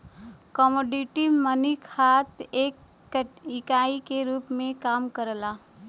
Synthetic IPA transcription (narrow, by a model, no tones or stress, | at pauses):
kɔmoːɖiʈimənikʰhaːt̪eːk | ɪkaːikeɾuːpmẽkaːmkəɾlaː